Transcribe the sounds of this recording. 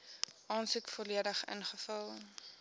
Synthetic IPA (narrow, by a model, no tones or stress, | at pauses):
ʔɑːnsukfɔliədəχə̰nχəfɐlˠ